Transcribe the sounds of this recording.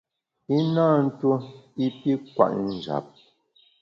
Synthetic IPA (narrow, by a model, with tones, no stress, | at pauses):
i˦naː˦˨n̩˦to˦i˦pi˦kwa̰˨ʔn̩˨d͡ʒa̰˨p̚